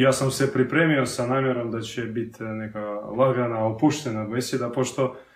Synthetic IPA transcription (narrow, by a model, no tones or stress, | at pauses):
jaːsamsɛpɾipɾemiosanamjeɾomd̪at͡ɕɛbit̪nɛkalˠaɡanaopuʃt̪ɛnaɡ̪vesjed̪apoʃt̪o